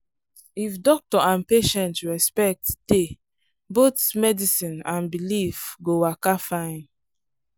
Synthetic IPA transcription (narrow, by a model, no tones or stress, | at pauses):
ifdɔk̚tɔʔãnpeʃɛ̃ntɹɛspɛk̚td̥e | botmɛdisĩnãnbilifɡowakafãɪ̃n